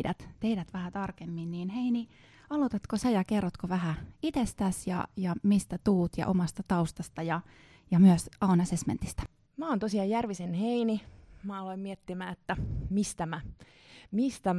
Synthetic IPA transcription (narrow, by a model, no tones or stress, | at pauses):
dæt̪t̪eidæt̪ʋæhæt̪ɑrkemːinniːnheini | ɑlut̪ɑt̪kosɑjɑkerːot̪koʋæhæit̪est̪æsjɑ̰jɑmist̪æt̪uːt̪jɑ̰ʔomɑst̪ɑt̪ɑust̪ɑst̪ɑjɑ | jɑmyøsɑunɑsesmḛnt̪i̥st̪æ̥ | mæont̪osiɑjjærʋisenheinimæːɑloimmiet̪ːimæːet̪ːæmist̪æmæ | mist̪æ